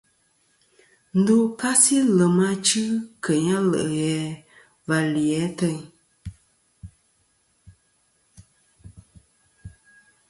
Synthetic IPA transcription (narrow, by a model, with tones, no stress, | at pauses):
n̩˦du˦ka˦si˦lə˨ma˦t͡ʃɨ˦kʰə˨ɲa˦lə̰˨ʔə˨ɣɛ˨˦ | va˨ljɛ˨˦tə˦˨ɲ